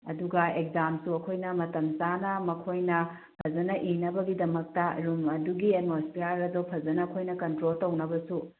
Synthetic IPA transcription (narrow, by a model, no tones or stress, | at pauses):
ɐduɡɐekzamsuɐkʰojnɐmɐtɐmt͡ʃanɐmɐkʰojnɐ | pʰɐd͡ʒɐnɐʔinɐbɐɡidɐmɐk̚tɐɾumɐduɡiedmospijaɾɐdopʰɐzɐnɐːkʰojnɐkɐntɾoltɐwnɐbɐsu